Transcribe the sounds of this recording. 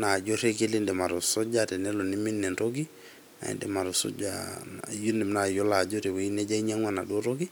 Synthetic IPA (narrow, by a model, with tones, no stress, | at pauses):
na˨d͡ʒo˦ɾe˦ɡe˦li˦ndɛ˨ma˨ɾo˨so˦d͡ʒatɛ˨nɛ˦lo˨ni˦mi˦nːɛ˨nɾoɡi | a̰˨ḭndɛ̰˨ma˨ɾo˨so̰˦d͡ʒa̰ju˦nɛ˨mnajo˦la˨d͡ʒoɾe˨we˨ine˦ɟa˦ɲa˦ŋwana˨ɗo˦ɾoɡi˦